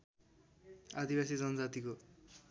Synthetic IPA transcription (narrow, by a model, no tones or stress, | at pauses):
ad̪ibasid͡zʌnʌd͡zat̪iko